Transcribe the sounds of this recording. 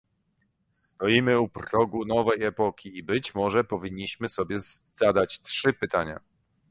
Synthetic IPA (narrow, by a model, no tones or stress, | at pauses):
st̪ɔjimɘupɾɔɡunɔvɛjɛpɔkʲiːbɘt͡ɕmɔʐɛpɔvʲiɲːiɕmɘsɔbʲjɛz̥ad̪at͡ɕtʂɘpɘt̪aɲa̰